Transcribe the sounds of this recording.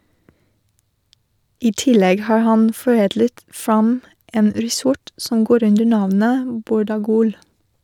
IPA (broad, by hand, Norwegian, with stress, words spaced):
ˈiː ˈtɪlɛɡ ˈhɑːɾ ˈhɑn fɔˈeːdlət ˈfɾɑm ˈeːn ˈɾiːˌsɔʈ sm̩ ˈɡoːɾ ˈʉndəɾ ˈnɑʋnə ˈbuːɾɑˌɡuːl